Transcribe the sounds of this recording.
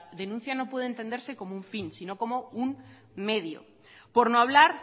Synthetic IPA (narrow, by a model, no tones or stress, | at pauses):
ðe̞nũn̟θjano̞pwe̞ð̞ent̪e̞nd̪eɾse̞ko̞mouɱfinsino̞ko̞mo̞un | meðjo̰ | poɾnoaβ̞laɾ